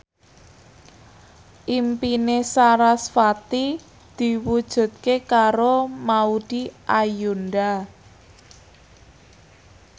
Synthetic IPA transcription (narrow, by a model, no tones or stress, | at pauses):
ʔimpinesaɾasfat̪i | d̪̥i̤wud̥ʒ̥ṳt̪̚kekaɾomaud̥iʔajunɖa